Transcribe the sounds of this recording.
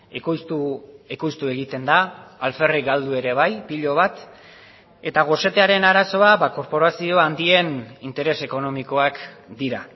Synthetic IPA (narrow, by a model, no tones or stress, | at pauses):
ekojst̪uekojst̪ue̞ɣ̞it̪e̞nd̪aːlfe̞riɡald̪ue̞ɾe̞βajpiʎo̞βat̪ | e̞t̪aɣ̞o̞se̞t̪e̞aɾe̞naɾaso̞aβako̞ɾpo̞ɾasio̞and̪ie̞nint̪e̞ɾe̞se̞ko̞no̞miko̞akd̪iɾa